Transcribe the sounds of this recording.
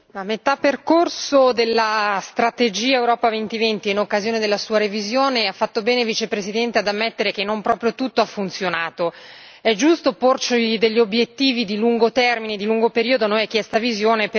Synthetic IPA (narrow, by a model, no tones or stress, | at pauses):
amet̪apːerkorsod̪elːast̪ɾat̪ed͡ʒiːaewɾɔːpavent̪ivent̪iinokːazjoːned̪elːasuːaɾevizjoːneafːat̪ːobɛːnevit͡ʃepɾesid̪ɛnt̪ead̪amːɛt̪ːeɾek̟enːompɾɔːpɾjot̪ut̪ːoafːunt̪sjonaːt̪o | ɛd͡ʒːust̪oport͡ʃed̪eʎːiobjet̪ːiːvid̪iluŋɡot̪ɛrmined̪iluŋɡopeɾiːod̪oanojɛk̟jɛst̪avizjoːnep